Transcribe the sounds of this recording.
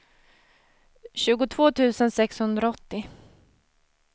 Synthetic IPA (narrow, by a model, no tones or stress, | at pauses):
ɕʉ̟ːɡʊt̪ʰv̥oːt̪ʰʉ̟ːsənsɛkshɵnd̪ɾaɔt̪ːɪ